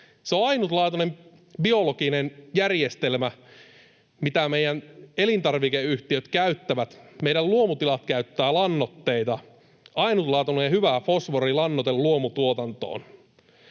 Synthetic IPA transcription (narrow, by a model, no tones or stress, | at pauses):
seoɑinut̪lɑːt̪onem | bio̞lokinenjærjest̪elmæ | mit̪æmeijænelint̪ɑrʋikeyht̪iøt̪kæyt̪ːæʋæt̪meijɾælluomut̪ilɑt̪kæyt̪ːæːlɑnːot̪ːeit̪ɑ | ɑinut̪lɑːt̪unejɑhyʋæfosʋorilɑnːot̪elluomut̪uot̪ɑnt̪o̰ːn